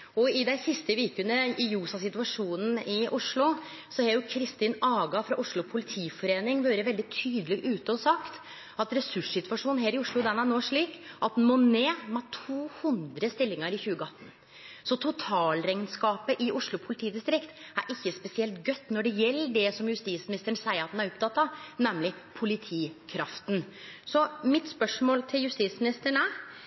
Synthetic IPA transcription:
ɔɪd̪æɪsɪst̪əʋiːkənəɪjuːsɑsɪt̪ʉʋɑʂuːnn̩ɪʔʊʂɭʊ | sɔhɑɾjʊkʰɾɪst̪iːnɑːɡɑfɾɑʔʊʂɭʊpʰʊlɪt̪ʰiːfɔɾeːnɪŋʋøːɾəʋɛld̪ɪt̪ʰyːd̪əlɪɡʔʉːt̪əɔsɑkt̪ | ɑt̪ɾɛsʉʂsɪt̪ʋɑʂuːnnɦæːɾɪʊʂɭʊd̪ɛnæɳoːʂɭiːkʔɑt̪̚d̪ɛnmoneːmɛt̪ʰuːhʉnd̪ɾəst̪ɪlːɪŋəɾɪçʉːəɡəɑt̪ːn | sɔt̪ʰʊt̪ʰɑːlɾɛŋnskɑːpəʔɪʔʊʂɭʊpʰʊlɪt̪ʰiːd̪ɪst̪ɾɪkt̪æɾʔɪçːəspɛsɪɛlt̪ɡœt̪ːnɔɖɛjɛlːəɖɛsɔmjʉst̪iːsmɪnɪst̪əɳsæɪəɾɑt̪d̪næɾʊpt̪ʰɑt̪ːɑnɛmːlɪpʰʊlɪt̪ʰiːkʰɾɑft̪n | sɔmɪt̪spœʂmoːlt̪ʰɪljʉst̪iːt̪smɪnɪst̪əɳæ

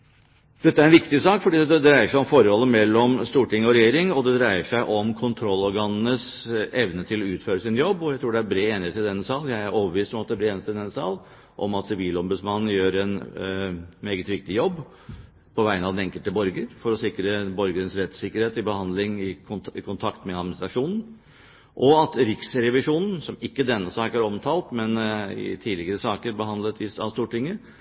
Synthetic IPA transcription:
d̪̥ɛt̪ːæɾɛnʋɪkt̪ɪsɑːkfɔɖiːd̪ɛd̪ɾæɪəʂæɪɔmfɔɾəhɔlːəmɛlːɔmst̪uːʈɪŋːɔɾɛjeːɾɪŋɔd̪ɛd̪ɾæɪəʂæɪʔɔmkʰʊnt̪ʰɾɔlːɔɾɡɑnnəsɛʋnət̪ʰɪlɔʉːt̪føːɾəsɪnjɔbːɔjæɪt̪ɾuːɖɛæɾbɾeːeːnɪeːt̪ɪd̪ɛnːəsɑːljæɪæɾoːʋəʋiːst̪ɔmɑt̪̚d̪ɛblɪeːnt̪ːɪd̪ɛnːəsɑ̰ːl | ʔɔ̰mɑt̪sɪʋiːlɔmbʉd̪smɑnːn̩jøːɾɛn | meːɡət̪ʋɪk̚t̪ɪjɔbː | pʰɔʋæɪənɑʋd̪nɛŋkəlt̪əbɔɾɡəɾfɔɾɔsɪkɾəbɔɾɡəɾənsɾɛt̪sɪkːəɾheːt̪ɪbəhɑnd̪lɪŋɪkʰʊkʰʊnt̪ʰɑkt̪mɛɑd̪mɪnɪst̪ɾɑʂuːnn̩ | ʔɔɑt̪ɾɪksɾɛʋɪʂuːnn̩sɔmɪkːəd̪ɛnːəsɑːkəæɾɔmt̪ʰɑːlt̪mɛnɪ̰t̪ʰiːlɪɡəɾəsɑːkəɾbəɦhɑnd̪lət̪ɪɑ̰ʋst̪uːʈɪŋːə

